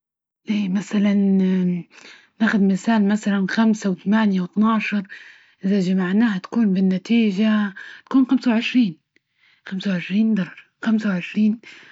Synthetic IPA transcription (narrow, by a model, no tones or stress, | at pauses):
ʔeːmasalan | naːxʊd̪mɪsaːlmasalanxamsawɪt̪amaːnjawɪt̪nɑʕʃɑɾˤ | ʔɪðaʒamaʕnaːhat̪ḁkuːnbɪnːat̪iːʒat̪ḁkuːnxamsawʕɪʃɾiːn | xamsawʕɪʃɾiːnd̪ɑɾˤɑɾˤ | xamsawʕɪʃɾiːn